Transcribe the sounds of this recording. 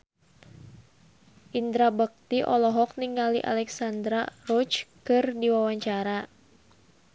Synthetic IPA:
ʔind̪ɾabək̚t̪iʔɔlɔɦɔk̚niŋaliʔa̰lɛksand̪ɾarɔt͡ʃkɨrdiwawaɲt͡ʃaɾa

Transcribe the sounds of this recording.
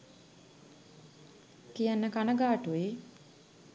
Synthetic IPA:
kijanːəkanəɡaːʈue

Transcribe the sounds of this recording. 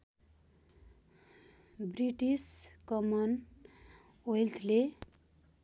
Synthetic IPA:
briʈiskʌmʌn | ojlt̪ʰle

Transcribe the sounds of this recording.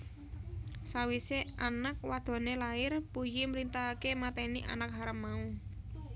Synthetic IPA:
sawiseanak̚wad̪̥ɔ̤nelaɪrpujiməɾint̪aakemat̪ɛniʔa̰nak̚ɦaɾamːau

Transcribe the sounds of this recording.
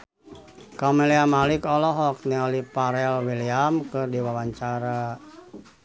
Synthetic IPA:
kamɛliamalikɔlɔɦɔk̚niɔlipaɾɛlwiliamkɨrdiwawaɲt͡ʃaɾa

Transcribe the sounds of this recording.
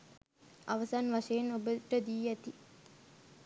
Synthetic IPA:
ʔaʋɐsanʋaʂejenobəʈəd̪iːæt̪i

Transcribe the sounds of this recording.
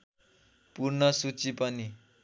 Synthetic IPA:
purnʌsut͡sipʌni

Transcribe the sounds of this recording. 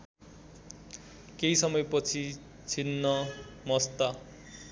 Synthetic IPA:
kejsʌmʌjpʌt͡sʰi | t͡sʰinːʌmʌst̪a

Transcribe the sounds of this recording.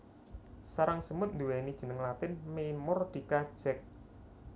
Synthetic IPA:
saɾaŋsəmʊt̪̚nd̪uwɛnid̥ʒ̥ə̤nəŋlat̪ɪnmemʊrd̪̥i̤kḁʒ̥ɛk̚

